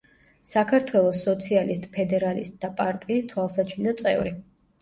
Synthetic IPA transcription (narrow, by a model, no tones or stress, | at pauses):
sakʰaɾt̪ʰwɛlˠɔsɔt̪sʰialist̪ʼpʰɛd̪ɛɾalist̪̚ʼd̪apʼaɾt̪ʼiːst̪ʰwalˠsat͡ʃʰinɔt̪sʼɛ̰vɾi